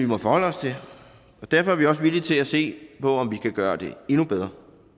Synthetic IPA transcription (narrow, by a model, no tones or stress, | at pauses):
ʋimɒ̽fɒhɒ̽l̰əɒ̽st͡sʰe̝ | ɒ̽d̥æɐfɒ̽æɐʋiɒ̽s̬ʋilit͡sʰe̝læse̝̰ːpʰɒ̽ɒ̽mʋikʰæɡ̥ɶːɐd̥e̝e̝nub̥eð̞ˠʁɐ